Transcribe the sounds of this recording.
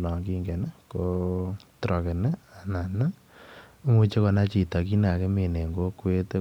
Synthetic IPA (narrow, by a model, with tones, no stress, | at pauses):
lɔ˨ɡi˦ŋɡɛ˨nɛ˦ko˦tɾʔɔ˨ke˨nɛ˦a˨na˨na˦ | ŋu˦t͡ʃe˦kɔ˨na˦t͡ʃi˨ta˨ki˦na˨ke˦me˨ne˨ŋɡo˦kwe˦te˦